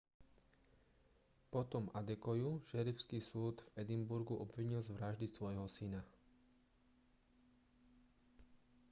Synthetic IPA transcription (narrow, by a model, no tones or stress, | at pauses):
pɔt̪ɔmad̪ɛkɔjuʃɛɾiʊskiːsuːd̪vɛd̪imbuɾɡuʔɔbʋiɲilzʋɾaʒd̪isʋɔjɦɔsina